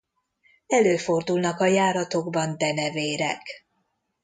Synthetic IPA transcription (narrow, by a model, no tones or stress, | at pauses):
ɛløːfo̞rd̪ulnɒkɒjaːɾɒt̪o̞ɡbɒnd̪ɛnɛveːɾɛ̰k